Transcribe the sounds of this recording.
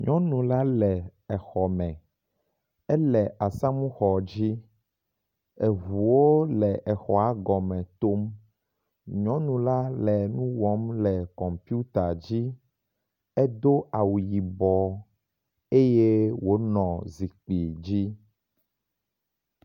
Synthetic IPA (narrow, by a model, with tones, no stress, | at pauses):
ɲɔ̃˦nũ˨la˦lɛ˨ɛ˨xɔ˨mɛ̃˨ | ɛ˦lɛ˨ʔa˨sã˦mũ˦xɔ˨d͡ʑi˦ | e˨vu˨wo˦lɛ˨ʔɛ˨xɔ˨a˨˦ɡɔ˨mɛ̃˨t̪o˦m | ɲɔ̃˦nũ˨la˦lɛ˨nũ˦wɔ˨˦mlɛ˨kɔ̃˨mpi˦u˦t̪a˨d͡ʑi˦ | ɛ˦d̪o˦a˨wu˨ji˨bɔ˨ | e˦je˦wo˦nɔ̃˨zi˨k͡pi˨d͡ʑi˦